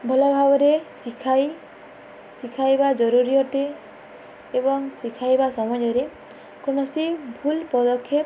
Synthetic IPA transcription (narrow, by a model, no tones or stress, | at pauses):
bʱɔlɔbʱabɔɾesikʰaj | sikʰajbad͡ʒɔɾuɾiɔʈ̪eː | bɔŋsikʰajbasɔmɔjɔɾe | konɔsibʱulpɔd̪ɔkʰːep